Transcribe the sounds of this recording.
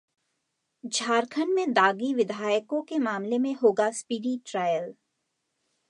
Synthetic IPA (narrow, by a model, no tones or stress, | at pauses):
d͡ʒʱaːɾkʰənmẽd̪aːɡiʋɪd̪ʱaːjəkõkemaːmlemẽɦoːɡaspiːɖiʈɾaːjəl